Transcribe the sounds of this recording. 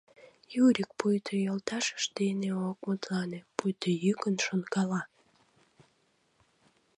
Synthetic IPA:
juɾʲik̚pujt̪ʰøjolt̪ɑʃə̥ʃd̪eneok̚mut̪lɑnepujt̪ʰəjykənʃonkɑlɑ

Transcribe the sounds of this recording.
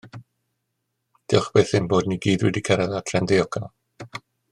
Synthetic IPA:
d̥ɪχb̥eːθɪnboːdniɡiːdwɛdikʰɛɾɛðatʰɛndɪɔkʰalˠ

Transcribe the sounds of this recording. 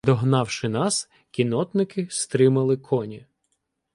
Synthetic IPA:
d̪ɔɦnɑwʃɪnɑs | kʲinɔt̪nɪkɪst̪ɾɪmɐlˠɪkʰɔnʲi

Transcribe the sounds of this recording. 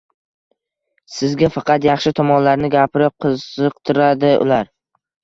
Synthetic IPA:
sɪzɡʲafɑqɑt̪jɑχʃɪt̪ʰɒmɒnlaɾnɪɡʲapʰɪɾɪp̚qʰɨzɨqt̪ʰɪɾad̪ɪʊ̰laɾ

